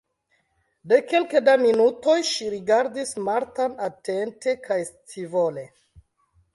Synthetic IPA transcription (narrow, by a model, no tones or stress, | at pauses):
de̞kelkedaminuto̞jʃiɾiɡaɾdismaɾtanate̞nte̞kʰajstʰivole̞